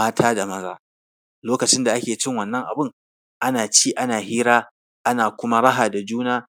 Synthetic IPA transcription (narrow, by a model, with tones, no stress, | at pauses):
aː˦tʰaː˦da˨mɐ˦zaː˦ | loː˦kɐ˨t͡ʃɪ˦nda˨ʔa˦kʲeː˨t͡ʃɪ˦ŋwɐ˨nːɐ˦ŋʔa̰˨bɪ˦ŋ | ʔa˦naː˨t͡ʃiː˦ʔa˦naː˨hiː˦ɾaː˦ | ʔa˦naː˨kʷʊ˦ma˦ɽɐ˦ɦaː˨da˨d͡ʒuː˦naː˦